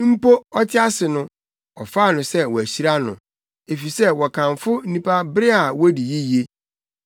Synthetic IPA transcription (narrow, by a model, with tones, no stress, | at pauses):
m̩˦po˦ɔ˦tʰɪ˦a˦sɪ˨nʊ̃˦ | ɔ˨fa˦˨nʊ̃˨sɛ˦wɔ˨æ˨ɕi˦ɾa˦nʊ̰̃˨ | e˨fi˨sɛ˦wɔ˨kʰã˨ɱfʊ˦n̩˦nĩ˦pʰa˦bɾɪ˦a˨wɔ˦di˨ji˦je˦